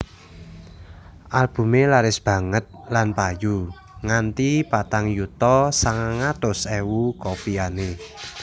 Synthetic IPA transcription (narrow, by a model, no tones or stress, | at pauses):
ʔalb̥ṳmelaɾɪsb̥ä̤ŋət̪̚lanpaju | ŋant̪ipat̪aŋjut̪ɔsaŋaŋat̪ʊsɛwukopiane